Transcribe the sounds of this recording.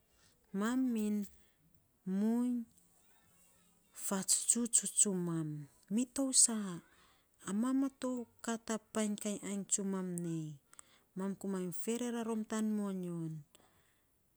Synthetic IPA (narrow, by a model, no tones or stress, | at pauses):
mamːin | muɲ | fat͡ʃt͡ʃut͡ʃut͡ʃumamː | itowsaː | mamato̞wkatapajnkajʔajnt͡ʃumamnej | mamkumajnfe̞ɾe̞ɾaɾo̞mtanmoɲon